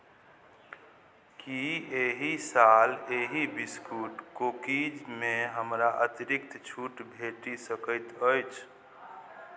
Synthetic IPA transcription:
kieɦisaleɦibiskuʈkokid͡ʒmeɦəmɾaʔət̪iɾikt̪t͡ʃʰuʈbʱeʈisəkəɪt̪əjt͡ʃʰ

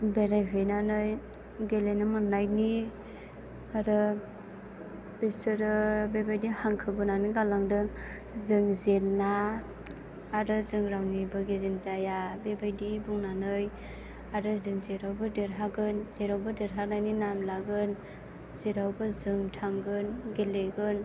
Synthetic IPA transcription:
beɾajɦɯjnanɯj | ɡelenɯmɯnːajni | aɾɯ | b̥esɯɾɯbebajdihaŋkʰɯbɯnanɯɡalaŋdɯ | zɯŋzeɾna | ɾɯzɯŋɾawnibɯɡezenzajabebajdibuŋnanɯj | aɾɯzɯŋzeɾawbɯdeɾɦaɡɯnzeɾawbɯdeɾɦak̚najninamlaɡɯn | zeɾawbɯzɯŋtʰaŋɡɯnɡeleɡɯn

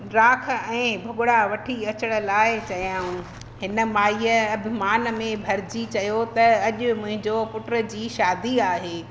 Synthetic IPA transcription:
ɾaːk̆ʰɛ̃ːbʱʊɠʊɽaʋɐʈʰiɐt͡ɕəɽ̃laːɪt͡ɕɐjãːũ | ɦɪnə̆maːiəɐbʱɪmaːnmẽbʱɐɾd͡ʑit͡ɕɐjot̪ɐɐʄʊmʊ̃ɦɪ̃ɲd͡ʑopʊʈɾə̆d͡ʑiːʃaːd̪iaːɦeː

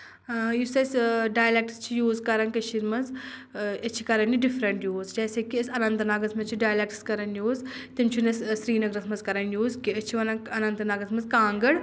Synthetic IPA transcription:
jusɐsɖaːjlek̚ʈst͡ʃʰijuːzkɐɾɐnkɐʃʰiɾmɐnz | ɐt͡ʃʰi̥kɐɾɐniɖifɾɐɳʈjuːzd͡ʒɛːsekiɐsɐnɐnt̪naːɡɐzmɐzt͡ʃʰiɖaːjlek̚ʈskɐɾɐnjuːz | t̪imt͡ʃʰunɐssɾiːnɐɡɾɐsʰmɐnzkɐɾɐnjuːzkiɐt͡ʃʰiʋɐnɐɐnɐ̃nt̪naːɡɐzmɐzkãːŋɡəɽ

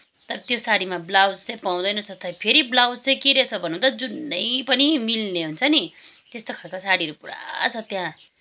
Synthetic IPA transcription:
t̪ʌɾʌt̪josaɽimablawd͡zt͡sejpaw̃d̪ʌjnʌsʰʌt̪ʰʌjpʰeɾiblawd͡zt͡sʌjkeɾesʰʌbʱʌnũt̪ʌd͡zunːʌjpʌnimilneɦunt͡sʰʌni | t̪est̪okʰʌkosaɽiʌɾupuɽa̰t͡sʰʌt̪jã

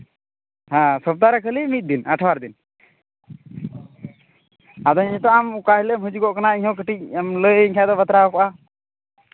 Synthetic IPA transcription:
hãsɔp̚t̪aɾɛkʰəlimit̪̚d̪inəʈʰawaɾd̪in | ad̪ɔɲɛʈɔamukaɦiləmɦud͡ʒuɡɔʔkanaiɲɦɔkəʈic̚amləjəiɲkʰad̪ɔbət̪ɾaɔkɔʔa

